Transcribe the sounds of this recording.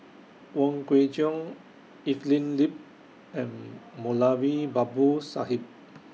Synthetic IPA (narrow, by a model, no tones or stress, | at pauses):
wɔ̃nɡɹed͡ʒiɔ̃n | iflĩnlip̚ | ɛ̃nmolawibabusa̰ɦip̚